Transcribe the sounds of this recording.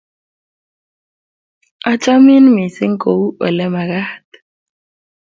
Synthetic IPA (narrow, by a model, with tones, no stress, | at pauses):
a˦t͡ʃʼa˦mi˦nmi˨si˦ŋ˦kʼo˨u˦ɔ̰˨lɛ˦ma˨ɣa˦t̪